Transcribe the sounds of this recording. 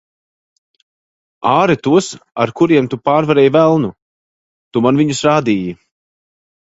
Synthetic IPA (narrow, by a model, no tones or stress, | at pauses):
aːɾɨt̪uɔsaɾkuɾiɛmt̪upaːɾvaɾɛːjvælˠnu | t̪umanviɲusɾaːd̪iːji